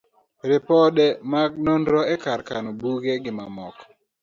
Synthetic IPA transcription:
ɾɪpɔdɛmaɡ̚nondɾɔɛkaɾkanobuɡeɡɪma̰mɔ̰k

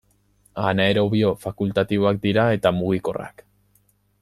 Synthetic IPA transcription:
anae̞ɾo̞βio̞fakult̪at̪iβo̞ak̚d̪iɾae̞t̪amuɣ̞iko̞̰ra̰k

